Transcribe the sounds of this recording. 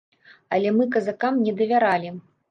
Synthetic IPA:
ɐlʲɛmɨkɐzakamnʲɛd̪ɐvʲaɾalʲi

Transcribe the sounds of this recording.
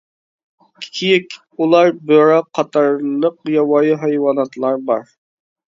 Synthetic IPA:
i̥kʲʰijɛkʲ | ulˠɑɾbɪɾɑqʰːɑt̪ʰɑɾlˠəqjɑwɑjɨɦɑjwɑnɑt̪ʰlˠɑɾbɑɾ

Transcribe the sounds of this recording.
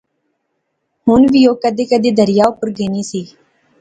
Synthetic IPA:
ɦʊnʋiːoːkəd̪eːkəd̪eːd̪əɾɪjaːʊpəɾɡeːniːsiː

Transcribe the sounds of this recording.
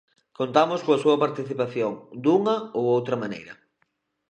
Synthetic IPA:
kont̪amʊskoɐsuɐpaɾt̪iθipaθjoŋd̪uŋɐowowt̪ɾɐmanḛjɾɐ

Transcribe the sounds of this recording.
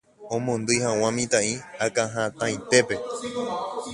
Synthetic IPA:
õmõnd̪ɨjhãw̃ãmĩt̪ãĩakãɦãt̪ãj̃t̪e̞pe̞

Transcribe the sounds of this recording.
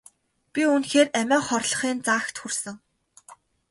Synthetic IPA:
pʲiunxeːræmʲæːχɔrɮɞ̆χiːnt͡saːxt̪xursɘ̆ŋ

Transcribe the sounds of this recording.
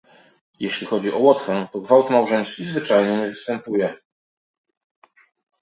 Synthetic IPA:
jeɕlʲixɔd͡ʑiʔɔwɔt̪fɛt̪ɔɡvawt̪mawʐɔ̃j̃skʲizvɘt͡ʂajɲɛɲɛvɘst̪ɛmpujɛ

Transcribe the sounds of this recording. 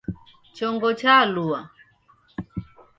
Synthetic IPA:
t͡ʃɔŋɡɔt͡ʃalua

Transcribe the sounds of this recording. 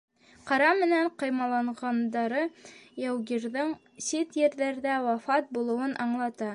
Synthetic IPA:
qɑɾɑmɘ̆næɴqɤ̆jmɑlˠɑɴʁɑnd̪ɑɾɤjæwɡiɾðɤɴ | sit̪jɘ̆ɾðæɾðæwɑfɑt̪̚bulˠɤ̆wɤnʔɑɴlˠɑt̪ɑ

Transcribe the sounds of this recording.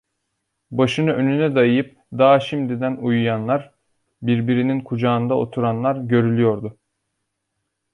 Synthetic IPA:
baʃɯnɯø̞nynɛd̪ajɯjɯp̚ | d̪aːaʃimd̪id̪ænujujanlˠaɾ | biɾbiɾininkʰud͡ʒaːnd̪ao̞̰t̪ʰuɾanlˠaɾɟø̞ɾylʲyjo̞ɾd̪ʊ

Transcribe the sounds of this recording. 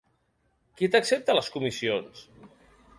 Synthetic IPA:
kit̪əksep̚t̪ələskumisions

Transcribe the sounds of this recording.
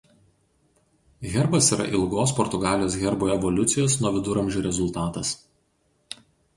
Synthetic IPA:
ɣʲɛɾbɐsiːɾɐ̰ʔɪlˠɡoːspɔɾt̪ʊɡɑːlʲɪjoːsɣʲɛɾboːɛʋɔlʲʊt̪sʲɪjoːsnuɔʋʲɪd̪ʊɾɐmʲʒʲuːɾʲɛzʊlˠt̪ɑːt̪ɐs

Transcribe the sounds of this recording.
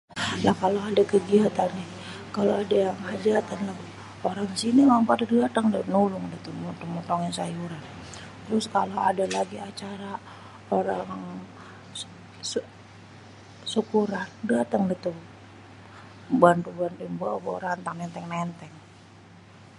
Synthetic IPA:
lahkaloadakəɡiat̪anɛ | kaloadajaŋhad͡ʒat̪anlah | oɾaŋsinimampadadat̪aŋdanulʊŋdat̪umɔt̪ɔŋmɔt̪ɔŋansajuɾant̪ɾʊskaloadalaɡiat͡ʃaɾa | oɾaŋŋ | sukuɾandat̪aŋdat̪u | bant̪ubant̪uŋbaboɾant̪aŋnɛnt̪ɛŋnɛnt̪ɛŋ

